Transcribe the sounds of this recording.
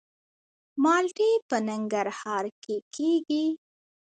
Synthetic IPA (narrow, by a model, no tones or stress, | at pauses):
mɑlʈepənaŋɡaɾhɑɾkekʰeɡi